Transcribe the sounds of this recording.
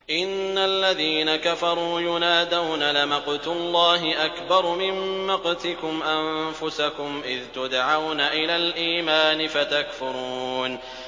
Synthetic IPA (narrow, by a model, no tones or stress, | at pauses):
ʔɪnːalːaðiːnakafɑɾˤuːjʊnaːd̪awnalɪmɑqt̪ʊlˤːɑːɦɪʔakbɑɾˤmɪmːɑqt̪ɪkʊmʔamfʊsakʊmʔɪðt̪ʊd̪aʕawnaʔɪlaːlʔiːmaːnɪfat̪akfʊɾuːn